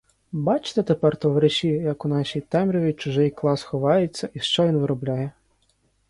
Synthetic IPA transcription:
bɑt͡ʃt̪et̪epɛrt̪ɔʋɾeʃʲijɐkʊnɑʃʲijt̪ɛmɾʲɔʋʲit͡ʃʊʒɪjklˠɑsxɔʋɑjet͡sʲːɐʔiʃt͡ʃɔʋʲinʋɪɾɔblʲajɛ

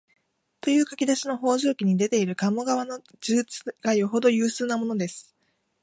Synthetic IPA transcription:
t̪o̞jɯ̟ːkakʲid̪aɕino̞ɦo̞ːʑoːkʲiɲ̟id̪e̞t̪e̞iɾɯ̟kamoɡaβano̞ | d͡ʑɨːt͡sɨ̥ɡ̥ajoɦo̞d̪o̞jɯ̟ːsɨːnamo̞no̞d̪e̞sɨ̥

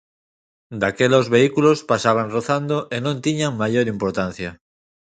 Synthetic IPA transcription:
d̪akelozβeikulospasaβ̞anroθand̪oʔenõnt̪iɲaŋmaʎoɾimpoɾt̪an̟θja

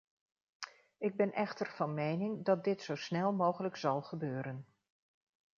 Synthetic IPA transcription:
ɪɡ̚bɛnʔɛχtəɹv̥ɑnmejnɪŋdɑt̚dɪtsowsnɛlˠmowχələksɑlˠχəbøːɾən

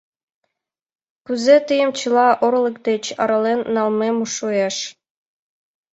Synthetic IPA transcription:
kyzet̪əjə̆mt͡ɕɯ̆lˠɑʔorlˠɤ̆kd̪et͡ɕɑ̰ɾɑlenːɑlˠmemuʂueʂ

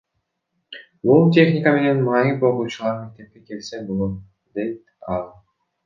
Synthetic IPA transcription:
bulˠtʲe̞χnʲikame̞ne̞nmɑniboɾuːt͡ʃulˠɑɾme̞k̚t̪e̞p̚ke̞ke̞lse̞bolˠom | d̪e̞jt̪ | ɑlˠ

